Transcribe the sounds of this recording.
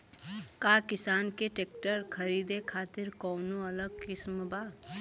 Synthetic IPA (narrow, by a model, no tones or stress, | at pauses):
kaːkɪsaːnkeʈeːk̚ʈəɾkʰɐɾiːd̪ekʰaːt̪ɪɾkɔːnoɐləɡ̚kɪsmbaː